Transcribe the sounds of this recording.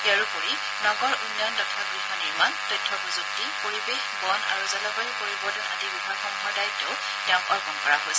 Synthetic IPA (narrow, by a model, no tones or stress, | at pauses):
iaɹupoɹi | nɔɡɔɹunjɔndɔtʰakɹimaniɹmantɔjtʰːɔbuzuk̚tipoɹibexbɔna̰ɹuzɔlɔbajkoɹibɔdɔna̰dibibʱakɔmxɔdajtʊ | tɛ̃ʊ̃ŋɔɹkɔnkɔɹaɦojs